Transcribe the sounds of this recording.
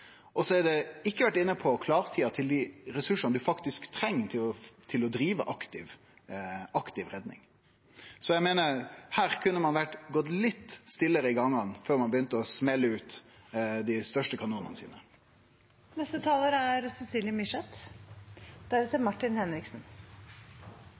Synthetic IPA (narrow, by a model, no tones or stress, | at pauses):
ʔɔsɔæɖ̪ɛɪkːəʋæʈːɪnːəpʰɔkʰlɑːʁt̪ʰiːɑt̪ʰɪld̪iɾɛsʉʂɑnəd̪ʉfɑkt̪ɪskt̪ʰɾɛŋːt̪ʰɪt̪ʰɪlɔd̪ɾiːʋə̰ʔɑkt̪ɪʋ | ɑkt̪ɪʋɾɛd̪nɪ̰ŋ | sɔjæɪmeːnəɾhæːɾkʰʉnːəmɑnʋæʈɡɔt̪ːlɪt̪ːst̪ɪlːəɾəɪɡɑŋːɑnføːɾmɑnbəjʏnt̪əɔsmɛlːəʉːt̪ | d̪ɪst̪œʂʈəkʰɑnuːnənəsḭːnə | nɛst̪ət̪ʰɑːləɾæɾsɛsiːljəmɪʂɛt̪ | d̪̥æɾɛt̪əmɑʈːɪnhɛnɾɪksn